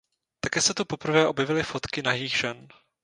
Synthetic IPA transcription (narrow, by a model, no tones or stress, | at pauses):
t̪akɛːsɛt̪upo̞pr̩vɛːʔo̞bjɛvɪlɪfo̞t̪kɪnajiːxʒɛn